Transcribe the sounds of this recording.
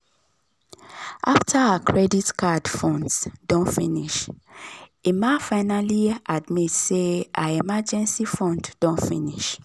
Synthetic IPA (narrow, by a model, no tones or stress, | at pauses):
ʔaftʰaaakʰɹɛditkadfɔ̃ndsdɔ̃nfĩniʃ | imafaɪnaliadmitseʔaemad͡ʒɛ̃nsifɔ̃ndd̥ɔ̃nfĩniʃ